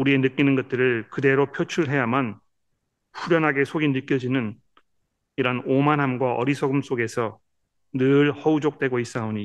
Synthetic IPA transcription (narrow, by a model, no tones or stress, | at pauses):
uɾie̞nɯk͈inɯnɡʌt̚t͈ɯɾɯɭkɯde̞ɾopʰjot͡ɕʰuɭɦe̞jaman | ɸuɾjʌnɦaɡe̞sʰoɡinɯk͈jʌd͡ʑinɯn | iɾanomanɦamɡwaʔʌ̰ɾisʰʌɡɯms͈oɡe̞sʰʌ | nɯɭhʌud͡ʑok̚t͈we̞ɡois͈aoɲi